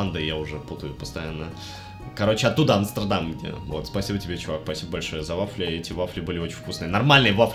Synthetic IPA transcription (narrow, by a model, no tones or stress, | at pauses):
and̪ɨjaʊʐɛput̪əjʊpəst̪ɐjanːə | kɐɾo̞t͡ɕːɪɐt̪ːud̪əɐnst̪ʲərd̪amɡdʲḛvo̞̰t̪spɐsʲibətʲɪbʲet͡ɕɪvakspɐsʲibəbɐlʲʂo̞jəzɐvaflʲɪɛtʲɪvaflʲɪbɨlʲɪot͡ɕɪn̥ʲfkusnɨənɐrmalʲnɨjəvafʲ